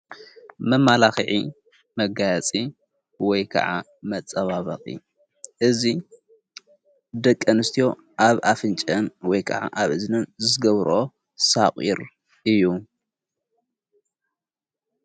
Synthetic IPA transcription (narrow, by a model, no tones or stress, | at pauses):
mɐmːalaxiʕi | mɐɡajat͡sʼi | wɔjkʰɐ̰ʕa̰ | mɐt͡sʼːɐβaβɐχʼḭ | ʔɨzi | d̪ɐkʼːɐnɨst̪ʰijo̞ | ʔaβafɨnt͡ʃʼɐnwɔjkʰɐʕa̰ʔaβɨznɨnzɨɨɡɐβɾʔo̞ | sakʼḭɾ | ʔɨjːu